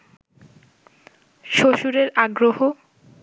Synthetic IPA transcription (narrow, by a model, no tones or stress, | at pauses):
ʃoʃuɾeɾaɡɾoɦo